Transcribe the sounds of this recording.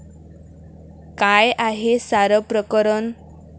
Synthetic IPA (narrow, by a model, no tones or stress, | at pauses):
kajaɦesaɾəpɾəkəɾən